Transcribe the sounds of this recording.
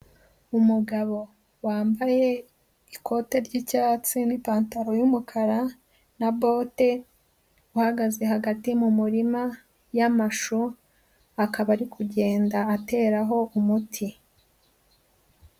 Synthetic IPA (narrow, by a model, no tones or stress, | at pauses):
umuɡaβo̞ | waːmbaje̞ | ikʰo̞te̞ɾɟicat͡sinipaːntaɾo̞jumukʰaɾa | nabo̞ːte | uhaɡaze̞ɦaɡatimumuɾima | jamaʃo | akaβaɾikʰuɟe̞ːndaːte̞ːɾaɦo̞ʔumutʰi